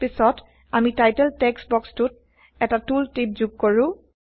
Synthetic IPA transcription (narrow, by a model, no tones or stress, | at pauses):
pisɔt | amitajtɛltɛksbɔkstut̚ | ɛtatultip̚zuɡ̚kɔɹʊ̃